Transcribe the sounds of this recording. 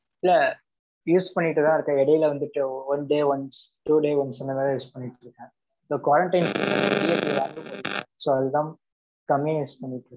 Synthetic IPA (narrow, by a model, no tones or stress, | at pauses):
ɪlːɐ | juːspɐɳːɪʈːɯt̪ãːɪɾɯkːɛ̃ɛɽɐjɪlɐʋɐnd̪ɯʈːɯʋɐnɖeːʋɐnsʈuːɖeːʋɐnsɪnːɐmːãjuːspɐɳːɪʈːɯɾɯkːɛ̃ | soːkwaːɾɐɳʈɐɪnsɐnɐ̃nɐɽɪjɐliʋaːɡɯpɐɽɪkːɐɛ̃soːɐðɯd̪ãː | kɐmjẽjuːspɐɳːɪʈːɯ